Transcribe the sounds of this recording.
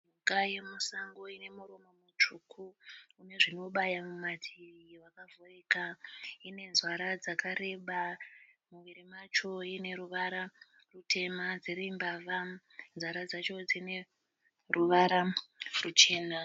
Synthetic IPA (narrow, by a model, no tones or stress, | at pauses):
ɲukaje̞musaŋɡo̞ine̞muɾomomut͡ʂukʰuːne̞ʐino̞ɓajamumatʰiiwakavoreːkaine̞nzwaɾad͡zakaɾe̞ɓamuʋiɾemat͡ʃo̞ine̞ɾuʋaɾa | rute̞mad͡zeɾimbava | nzwaɾad͡zat͡ʃo̞d͡zine | ruʋaɾarut͡ʃe̞ːna